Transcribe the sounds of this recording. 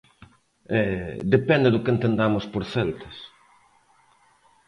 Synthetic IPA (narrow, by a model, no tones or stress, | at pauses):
ɛd̪epɛnd̪ɪðʊkent̪end̪amʊspoɾθɛlt̪ɐ̥s